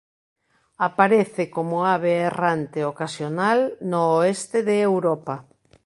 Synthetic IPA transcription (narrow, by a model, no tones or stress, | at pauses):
apaɾeθekomʊaβeːrant̪eokasjonalnoːest̪ɪðeːwɾɔpa